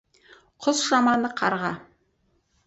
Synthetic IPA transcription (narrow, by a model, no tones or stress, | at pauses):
qʰʊzʒɑmɑnəqʰɑɾʁɑ